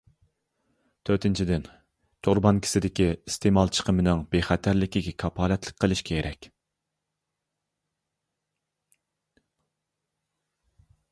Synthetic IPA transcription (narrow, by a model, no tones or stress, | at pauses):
t̪ʰøɾt̪ʰɪnt͡ʃʰid̪ɪn | t̪ʰoɾbɑnkʲʰɪ̥sɪd̪ɪkʲiist̪ʰemɑlˠt͡ʃʰə̥qʰəmɪnɪŋbeχɛt̪ʰæɾlɪkʲiɡʲɛkʰɑpɑːlɛt̪lˠə̥k̚ʲqʰːəlˠɪʃkʲɛeɾʔɛkʲ